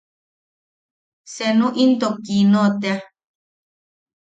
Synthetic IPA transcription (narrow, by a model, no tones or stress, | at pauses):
senũʔĩnt̪okinõt̪ea